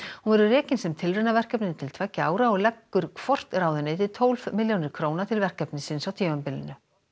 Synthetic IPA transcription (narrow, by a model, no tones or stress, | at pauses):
hunvɛɾʏrɛːcɪnsɛmt̪ʰɪlrɛnavɛr̥kɛpnɪnt̪ʰɪlt̪ʰvɛcːaːwɾaɔɣlɛkːʏɾ̥kʰv̥ɔr̥t̪raːwðʏneːt̪ɪt̪ʰoːwlv̥mɪljownɪɾ̥kʰɾoːwnat̪ʰɪlvɛr̥kɛpnɪsɪnsawt̪ʰimampɪlɪnːʏ